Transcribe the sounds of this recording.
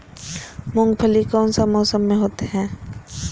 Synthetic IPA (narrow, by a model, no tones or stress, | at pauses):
mʊ̃ŋɡpʰəlikɔːnsamɔːsəmːẽɦoːt̪eɦɛ̃ː